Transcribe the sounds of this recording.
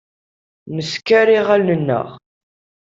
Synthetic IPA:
məskːæɾiʁælnənːə̰ʁ

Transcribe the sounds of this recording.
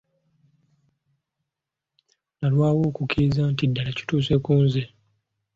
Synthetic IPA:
nalwaːwo̞ːkukiɾizantidːalaci̥tuːs̬e̞kuːnze

